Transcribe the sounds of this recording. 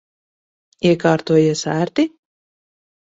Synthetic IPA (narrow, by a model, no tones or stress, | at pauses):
iɛkaːɾt̪uɔjisæːɾt̪i